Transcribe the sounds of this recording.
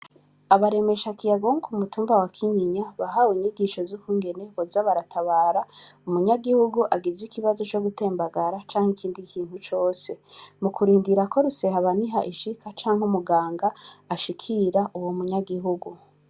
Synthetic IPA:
aβaɾe̞me̞ʃakijaɡoŋukʰumutuːmbawakʰiɲiɲaβaɦawiɲiɡiʃo̞zukuːŋɡe̞ne̞βozaβaɾatʰaβaːɾaumuɲaɡihuɡuʔaɡizikiβazo̞t͡ʃo̞ɡute̞ːmbaɡaɾat͡ʃaːŋ̥hekʰiːndikʰiːn̥hut͡ʃo̞ːse̞mukʰuɾiːndiɾako̞ɾuse̞haβaniɦa̰ʔiʃikat͡ʃaːŋ̥umuɡaːŋɡaːʃikʰiɾaʔuwomuɲaɡiɦuɡu

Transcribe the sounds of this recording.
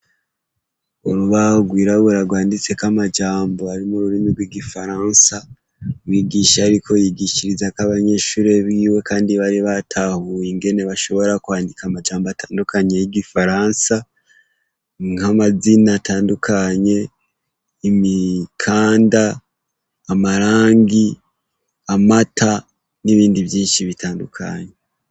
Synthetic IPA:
oɾuβahoɡwiːɾaɡuɾaɡwaːndit͡se̞kamad͡ʒaːmbo̞aɾimuɾuɾimiɡweɡifaɾaːnsa | wiːɡiʃaɾikʰo̞jiɡiʃiɾizakaβaɲe̞ːʃuːɾe̞βiːwe̞kaːndiβaɾiβatʰahujiŋɡe̞ne̞βaʃo̞βo̞ɾakwaːndikamad͡ʒaːmboatʰaːndukaɲejiɡifaɾaːnsa | ŋamazinatʰaːndukʰaɲe̞ | imikʰaːndaː | maɾaːŋɡi | amatʰa | niβiːndiβjiːnʃiβitʰaːndukʰa̰ɲe

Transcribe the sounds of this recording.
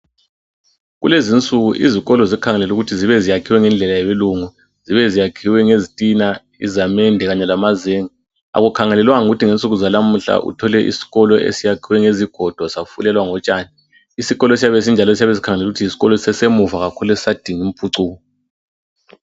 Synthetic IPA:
ɣulezint͡sʼuɣuʔiziɣɔlɔzikʰaŋɛlɛluɣutʰiziβɛzijakʰiwɛŋɛnd͡ɮʱɛlajɛβeluŋu | ziβɛzijakʰiwɛŋezitʼina | ḭzamɛndʱɛɣaɲɛlamazeːŋi | a̰ɣukʰaŋɛlɛlwaŋuɣutʰiŋent͡sʼuɣuzalam̩ɬa̰ʔṵtʰɔlɛʔḭsi̥ɣɔlɔʔḛsijakʰiwɛŋeziɡ̥ʱɔd̥ʱwasafulɛlwaŋɔt͡ʃʼaːni | isiɣɔlɔes̬ijaβes̬ind͡ʒʱalɔes̬ijaβɛsikʰaŋɛlɛluɣutʰiisi̥ɣɔlɔsɛsemuvaɣakʰuluesisad̥ʱiŋim̩pʰuǀuːɣɔ

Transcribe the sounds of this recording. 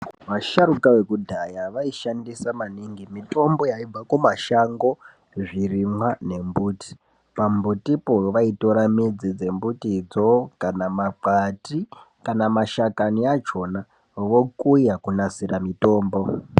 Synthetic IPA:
ʋaʃaɾukawe̞kudʱajaʋaiʃandisamaniŋɡimito̞mbo̞jaib͡vakumaʃaŋɡo̞ | ʐirimwane̞mbuːti̥ | pambutipoʋaito̞ɾamid͡zid͡ze̞mbutid͡zokanamaǃati | kanamaʃakaniat͡ʃo̞na | ʋo̞kujakunasiramito̞ːmbo̞

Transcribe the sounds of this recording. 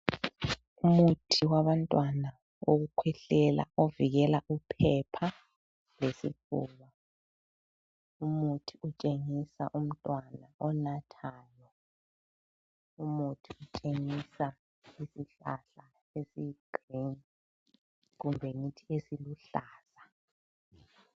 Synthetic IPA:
umutʰiwaβantʼwana | oɣukʰwɛɬɛla̰ʔoviɣɛlaʔupʰɛpʰa | lesḭfṵːβa | umutʰiut͡ʃʼeŋisa̰ʔum̩tʼwanaʔɔnatʰaːjɔ | umutʰiut͡ʃʼeŋisa | isiɬa̰ɬa | esiɡ̥rin | ɣumbʱeŋitʰiesiluɬaːz̥a

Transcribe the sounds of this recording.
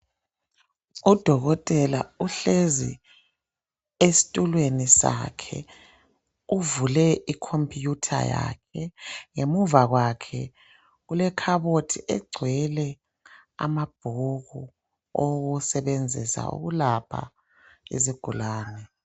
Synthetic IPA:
ud̥ʱɔɣɔtʼɛlauɬezḭ | esi̥tʼulwenisa̰kʰɛ̰ | uvulɛʔikʰompʰʼjutʰa̰ja̰kʰɛŋemuvaɣwakʰɛ | ɣulɛkʰaβotʰiʔɛɡ͡ǀʱwɛlɛ | a̰mab̥ʱuɣu | oɣusɛβend͡zʱisa̰ṵɣulapʰa̰ | ḛziɡ̥ʱulaːnɛ

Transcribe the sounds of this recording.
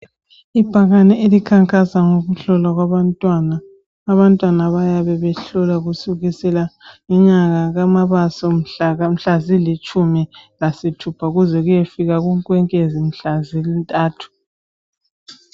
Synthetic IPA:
ib̥ʱaɣanɛelikʰaŋkʼasaŋoɣuɬɔlaɣwaβantʼwanaː | βantʼwanaβajaβɛβɛɬɔlaɣusuɣisɛlaŋɛɲaɣaɣamaβasɔm̩ɬaɣam̩ɬazilit͡ʃʼumilasitʰupʰauɣuzɛɣujefiɣaɣuŋkʼwɛŋkʼezim̩ɬazilintʼaːtʰu̥

